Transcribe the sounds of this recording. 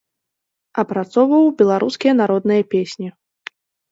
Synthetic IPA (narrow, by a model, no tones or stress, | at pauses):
ɐpɾat̪sɔwvɐwbʲɛlˠaɾʔuskʲijɐnaɾɔd̪nɨjɐpʲesʲnʲi